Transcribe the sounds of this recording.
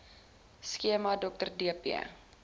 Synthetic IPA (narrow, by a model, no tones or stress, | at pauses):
skiəmɐdɔk̚tərdiəpiə̰